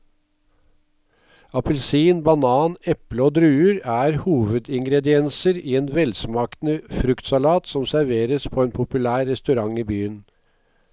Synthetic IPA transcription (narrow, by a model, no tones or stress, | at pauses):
ɑpəlsiːnbɑnɑːnɛpləoːd̪ɾʉːəɾæːɾhuːʋəd̪ɪŋɡɾɛd̪ɪɛnsəɾiːeːnʋɛlsmɑːk̪nəfɾʉkt̪sɑlɑːt̪sɔmsæɾʋeːɾəspʰoːeːnpʰʊpʉlæːɾːɛst̪ʉɾɑŋiːbyːən